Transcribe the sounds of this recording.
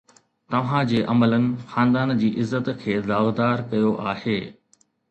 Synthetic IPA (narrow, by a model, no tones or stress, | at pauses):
t̪ɐʋ̤ãd͡ʑeːʔɐmələnɪ̆xãːnd̪aːnd͡ʑiːʔɪzːət̪kʰeːzaːɣd̪aːɾkɐjoʔaːheː